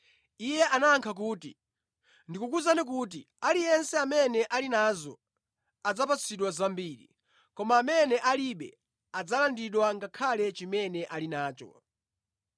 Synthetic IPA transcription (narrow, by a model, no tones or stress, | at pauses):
ijɛʔanaːŋkʰak̬uːti | ndikukuzanik̬ut̬i | alijɛnsɛamɛnɛʔalinazɔ̰ | ad͡zapat͡sʰiɗwazambiːɾḭ | kɔmaːmɛnɛʔaliɓɛ̰ | ad͡zalandiɗwaŋɡakʰalɛt͡ʃimɛnɛʔalinaːt͡ʃɔ̰